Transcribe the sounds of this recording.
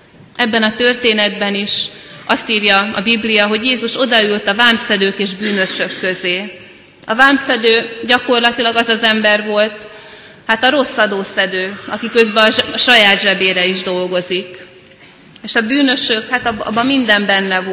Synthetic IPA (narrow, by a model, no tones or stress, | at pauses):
ʔɛbːɛnɒt̪ø̞rt̪eːnɛd̪bɛniʃʔɒst̪iːɾjɒɒbiblijɒɦo̞ɟjeːzuʃo̞d̪ɒylt̪ɒvaːmsɛd̪øːkeːʒbyːnø̞ʃø̞kːøzeː | ɒvaːmsɛd̪øːɟɒko̞rlɒt̪ilɒɡɒzɒzɛmbɛrvo̞lt̪ | hat̪ɒɾo̞sːɒd̪oːsɛd̪øːɒkikøzbɛɒʃɒjaːd̪ʒɛbeːɾɛiʒd̪o̞lɡo̞zik | eːʃɒbyːnø̞ʃø̞khat̪ɒbɒ̰bːɒmːind̪ɛmbɛnːɛvo